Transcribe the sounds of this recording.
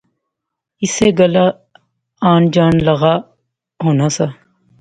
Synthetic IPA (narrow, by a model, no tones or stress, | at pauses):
ɪseːɡəlaː | aːnd͡ʒaːnləɣaː | ɦoːnaːsaː